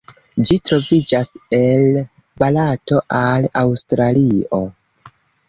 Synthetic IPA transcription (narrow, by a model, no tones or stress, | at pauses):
d͡ʒitɾo̞vid͡ʒase̞l | balato̞ʔalawstɾalio̞